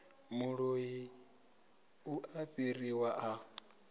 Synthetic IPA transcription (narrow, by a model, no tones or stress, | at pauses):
muɺoji | uʔaɸiriwaʔa